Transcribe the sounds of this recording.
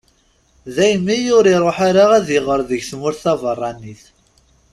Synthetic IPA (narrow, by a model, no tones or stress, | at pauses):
ðæjəmːijʊɾiɾˤoħaɾaʁæðɪʁəɾðəʝθmʊɾθɑvərˤːɑniθ